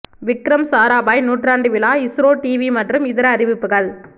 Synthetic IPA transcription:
ʋɪkːɾɐmsaːɾaːbaːjnuːʈraːɳɖɯʋɪlaːɪsɾoːʈiːʋimɐʈrɯmɪðɪɾɐːɾɪʋɪpːɯɣɐɭ

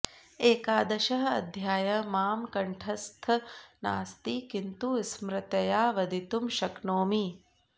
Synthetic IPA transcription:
eːkaːd̪ɐʃɐɦɐɐ̰d̪ʱjaːjɐmaːmkɐɳʈʰɐst̪ʰɐna̰ːst̪ikint̪usmɾɪt̪ɐjaːʋɐd̪ʱit̪umʃɐknoːmi

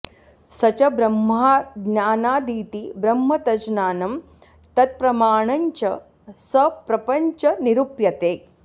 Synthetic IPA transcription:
sɐt͡ʃɐbɾɐmːaaːɡnaːnaːd̪iːt̪ibɾɐmːɐt̪ɐd͡ʒnaːnɐm | t̪ɐt̪̚pɾɐmaːɳɐɲt͡ʃɐ | sɐpɾɐpɐɲt͡ʃɐniɾupjɐt̪eː

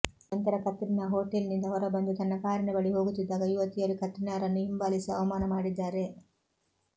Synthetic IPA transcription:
ɐnt̪ɐɾɐkɐt̪ːɾinaːɦoːʈelnind̪ɐɦɔɾɐbɐnd̪ut̪ɐnːɐkaːɾinɐbɐɭiɦoːɡut̪ːid̪ːaːɡɐjuʋɐt̪ːijɐɾukɐt̪ːinaːɾɐnːuɦimbaːlisiɐʋɐmaːnɐmaːɽid̪ːaːɾe

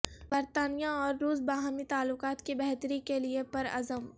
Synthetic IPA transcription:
bɐɾt̪aːnijaɔːɾːuːs̬baːɦaːmit̪aːlːʊkaːt̪kibɛɦt̪əɾikeliepɐɾɐ̰zəm

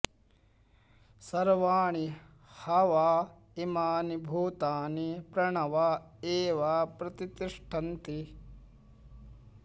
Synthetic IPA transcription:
sɐɾʋaːɳ̃i | hɐʋaː | imaːnibʱuːt̪aːnipɾɐɳɐʋaeːʋapɾɐt̪it̪iʂʈʰɐnt̪i

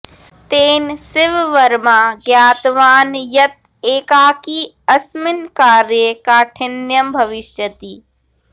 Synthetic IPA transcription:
t̪eːnsɪʋʋɐɾmaːɡjaːt̪ʋaːnjɐt̪̚ | eːkaːkiː | ɐsmɪnkaːɾjəkaːʈʰɪnjɐmbʱɐʋɪʃjət̪iː

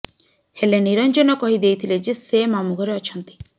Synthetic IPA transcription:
heleniɾɔnd͡ʒɔnɔkɔɦid̪ejt̪ʰiled͡ʒesemamuɡʱɔɾeɔt͡ʃʰɔnt̪i̥

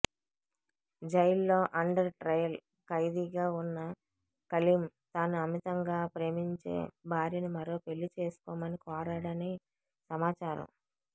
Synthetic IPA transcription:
d͡ʒɐjlːo̞ːʔɐɳɖɐɾʈɾɐjɐl | kɐjd̪iːɡaːunːɐ | kɐlimt̪aːnuɐmit̪ɐŋɡaːpɾe̞ːmiɲt͡ʃḛːbʱaːɾjinimɐɾo̞ːpe̞ɭːit͡ʃe̞ːsu̥kɔːmɐnikɔːɾaːɽɐne | sɐmaːt͡ʃaːɾɐ̰m

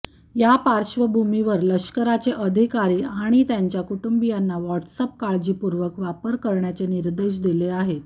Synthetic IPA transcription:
japaɾɕʋəbʱumiʋəɾləɕkəɾat͡seʔəd̪ʱikaɾiːaɽ̃it̪jaɲt͡ɕjakuʈumbijanːaʋɔʈsəp̚kaɭd͡ʑiːpuɾʋəkʋapəɾkəɾɳjat͡seniɾd̪eɕ̬d̪ileaɦet̪

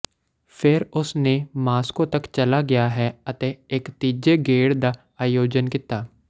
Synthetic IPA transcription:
fʰɪɾʊsnemaːskõt̪ɐkt͡ʃɐlaɡɐjaɦɛɐt̪eeːkt̪iːd͡ʒeɡeːɽd̪a | aːjoːd͡ʒənkit̪aː

